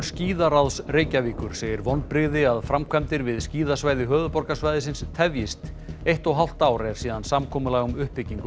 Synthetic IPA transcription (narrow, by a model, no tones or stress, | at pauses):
sciːðaɾawðsreːjcaviːkʏɾ̥seːjɪɾvɔnpɾɪɣðɪaðfɾamkʰvɛmt̪ɪɾvɪðsciːðasvajðɪɦœːðʏpɔɾkasvajðɪsɪnst̪ʰɛvjɪst̪ | ejht̪ɔɣɦaw̪̥t̪aːwɾɛɾ̥siːðansamkʰɔːmʏlaːɣʏmʏhpːɪcːiŋk